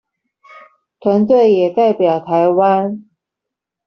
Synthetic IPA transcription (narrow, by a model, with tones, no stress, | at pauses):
t̪ʰwa˧˥nt͡swe˥˨ɪjɛ˨˩t̪a˥˩ɪpjɑ˨˩ʊt̪ʰa˧˦ɪwa˦˥n